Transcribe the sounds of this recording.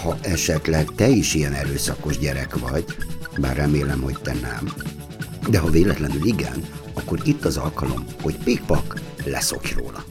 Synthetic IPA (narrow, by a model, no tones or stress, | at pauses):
hɒʔɛʃɛt̪lɛɡt̪ɛiʃijɛnɛɾøːsɒko̞ʒɟɛɾɛkʋɒɟba̰ːrɛmeːlɛmho̞c̚t̪ɛnɛm | d̪ɛɦɒveːlɛt̪lɛnyliɡɛ̰nɒkːo̞ɾit̪ːɒzɒlkɒlo̞̰mho̞ɟpik̚pɒklɛ̰so̞̰kro̰ːlɒ